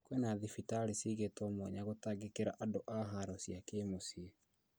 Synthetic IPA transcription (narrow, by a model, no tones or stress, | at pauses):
kwɛnaðifitaɾisiɣetɔmwɛɲaɣotaɡekeɾaʔadoʔaɦaɾɔsjakeːmosie